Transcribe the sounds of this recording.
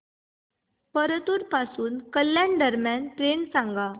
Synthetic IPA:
pəɾət̪uɾpasuːnkəljãnɖəɾmjanʈɾensãŋɡa

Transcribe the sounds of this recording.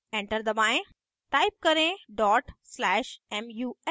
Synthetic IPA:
ẽɳʈəɾd̪ɐbaːẽ | taːɪp̚kɐɾẽɖɔːʈslɛːʃɛmjuː

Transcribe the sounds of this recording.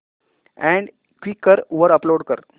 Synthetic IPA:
ɛ̃ɳɖ | kʋikːəɾoʋəɾəploɽkəɾ

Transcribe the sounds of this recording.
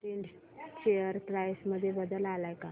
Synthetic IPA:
ʈiɳɖ | t͡ɕejəɾt̪ɾajsməd̪ʱːjebəd̪əlalajka

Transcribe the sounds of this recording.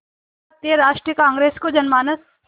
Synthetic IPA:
t̪iəɾaːʃʈɾijəkãːŋɡɾeːskod͡ʒɐnmaːnəs

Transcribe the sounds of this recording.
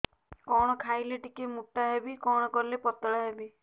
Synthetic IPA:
kɔɽ̃ɔkʰajleʈikemuʈːaɦebikɔɽ̃ɔkɔɾilepɔt̪ɔɽaɦebi

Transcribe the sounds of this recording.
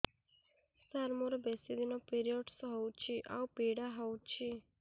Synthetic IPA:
st̪aɾmoɾɔbɛsid̪inɔpiɾijɔɖsɔɦɔwt͡ʃʰiʔa̰wpiɽaɦɔwt͡ʃʰi

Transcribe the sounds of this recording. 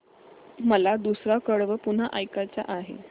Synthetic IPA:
məlad̪usɾakəɽʋəpun̤aʔajkat͡ɕa̰ʔaɦḛ

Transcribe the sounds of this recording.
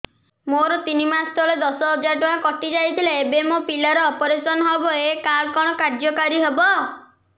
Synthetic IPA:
moɾɔt̪inimasʰt̪ʰɔɭed̪ɔsɔɦɔd͡ʒaɾʈɔɦakɔʈid͡ʒajt̪ʰileebemopilaɾɔːpɔɾesɔnɔɦɔbɔekaɭkɔɽ̃ɔkaɾd͡ʒɔkaɾiɦebɔ

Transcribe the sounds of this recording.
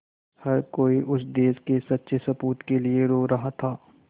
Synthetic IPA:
hɐɾkoːiʔʊsd̪eːskesɐtːʃʰesɐpuːt̪kelieɾoːɾɐɦat̪ʰaː

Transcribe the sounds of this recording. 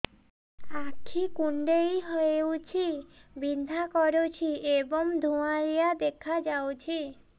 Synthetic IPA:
akʰikuɳɖejɦɔewt͡ʃʰibid̪ʱakɔɾot͡ʃʰiebɔŋd̪ʱuaɾijad̪ekʰad͡ʒawt͡ʃʰi

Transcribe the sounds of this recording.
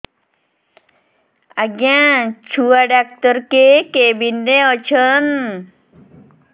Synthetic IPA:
aɡãt͡ʃʰuaɖak̚t̪əɾkekebindeɔt͡ɕʰən

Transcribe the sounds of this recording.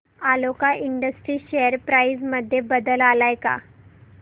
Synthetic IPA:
alokaʔiɳɖəsʈɾiːɕeəɾpɾajsməd̪ʱːjebəd̪əlalajka̰

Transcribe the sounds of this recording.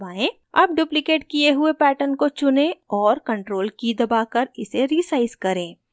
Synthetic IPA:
baːẽː | ɐb̚ɖjuːplɪkeːʈkijeɦʊepɛːʈənkot͡ʃʊnẽɔːɾkɐ̃ɳʈɾoːlkid̪ɐbaːkɐɾɪseɾisaːɪzkɐɾẽː

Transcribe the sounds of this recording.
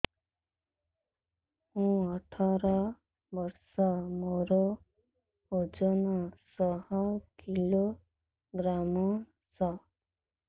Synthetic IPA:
hũɔʈʰɔɾɔ | bɔɾsɔmoɾo | od͡ʒɔnɔsɔhɔkilo | ɡɾamɔ | sɔ

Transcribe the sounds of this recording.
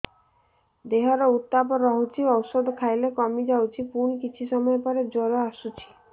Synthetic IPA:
d̪eɦɔɾɔut̪ːapɔɾɔɦut͡ʃʰiɔwsɔd̪ɔkʰajlekɔmid͡ʒawt͡ʃʰipunkit͡ʃʰisɔmɔjepɔɾed͡ʒɔɾɔasut͡ʃʰi̥

